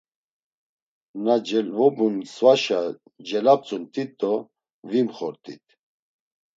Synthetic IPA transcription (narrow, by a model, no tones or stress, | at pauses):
nad͡ʒɛvɔbunsvaʃa | d͡ʒɛlap̚t͡sʼunt̪ʼit̪ʼːɔ | vimχɔɾt̪ʼḭt̪̚ʰʼ